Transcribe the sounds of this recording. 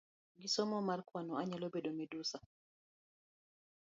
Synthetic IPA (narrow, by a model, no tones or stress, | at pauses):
ɡisɔmɔmarkwanɔaɲalobedomɛdusa